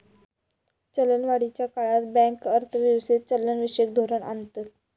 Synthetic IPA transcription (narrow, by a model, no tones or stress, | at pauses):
t͡ɕələnʋaɽit͡ɕjakaɭat̪bɛ̃kəɾt̪ʰəʋiwsit̪̚t͡ɕələnʋiʂek̚d̪ʱoɾəɳa̰nt̪ət̪̚